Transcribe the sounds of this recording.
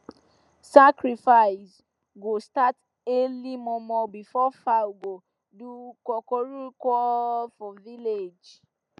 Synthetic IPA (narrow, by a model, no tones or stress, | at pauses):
sakɹifaɪs | ɡostat | elimɔ̃mɔbifɔfaɡo | dukɔkɔɹukɔfɔviled͡ʒ